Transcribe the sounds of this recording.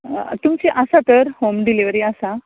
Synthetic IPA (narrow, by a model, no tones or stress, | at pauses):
t̪umt͡seʔasat̪əɾhomɖiliʋəɾiasa